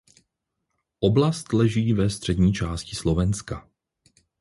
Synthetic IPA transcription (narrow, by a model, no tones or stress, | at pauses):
ʔoblast̪lɛʒiːvɛst̪r̝̥ɛdɲiːt͡ʃaːscɪslo̞vɛnska